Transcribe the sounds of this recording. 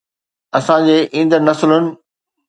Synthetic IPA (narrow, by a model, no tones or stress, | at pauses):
ɐsãd͡ʑeːʔĩːnd̪əɾnɐslʊnɪ̆